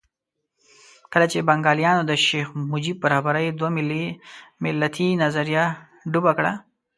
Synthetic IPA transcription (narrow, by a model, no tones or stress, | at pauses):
kəlat͡ʃebaŋɡɑːljɑːnod̪əʃexmʊd͡ʒib̚baɾɑbaɾajd̪wamɪlimɪlːat̪ʰinazaɾija | ɖubakɽa